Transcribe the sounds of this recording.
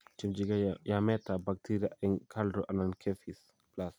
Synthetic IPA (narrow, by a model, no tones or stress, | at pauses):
t͡ʃimd͡ʒiɡajamɛtabak̚tʰiɾaɛŋkʰaldɾoʔɐnankʰefis | plas